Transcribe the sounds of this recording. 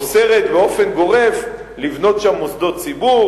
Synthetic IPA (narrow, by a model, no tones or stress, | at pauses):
se̞ʁet̪beo̞fe̞nɡo̞ʁe̞v | livno̞tʃamosd̪o̞tt͡sibu